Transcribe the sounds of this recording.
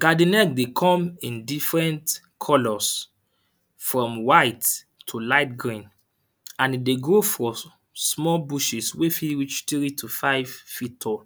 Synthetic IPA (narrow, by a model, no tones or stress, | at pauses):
ɡ̥adĩnɛk̚dekʰɔ̃mĩndifɹɛ̃nt | kʰɔlɔs | fɹɔ̃mwaɪtːʰ | ulaɪtɡɹĩn | ãnideɡofɔ | smɔlbuʃiswefiɹit͡ʃtɹitʰufaɪv̥fitɔ